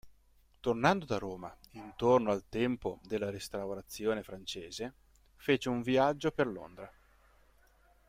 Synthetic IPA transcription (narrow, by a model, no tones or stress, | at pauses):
t̪ornand̪od̪aɾoːmaint̪ornoalt̪ɛmpod̪elːaɾest̪awɾat̪sːjoːnefɾant͡ʃeːze | feːt͡ʃeuɱviad͡ʒːoperlo̰nd̪ɾa